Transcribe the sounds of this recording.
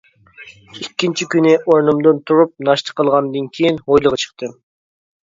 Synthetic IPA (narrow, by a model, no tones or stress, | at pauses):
ikʲːint͡ʃʰikʲynɪʔoɾnumd̪ɨnt̪ʰuɾup̚nɑʃt̪ə̥qʰːəlˠʁɑnd̪ɨnkʲʰijinojlˠəʁɑt͡ʃʰə̥qt̪ɨ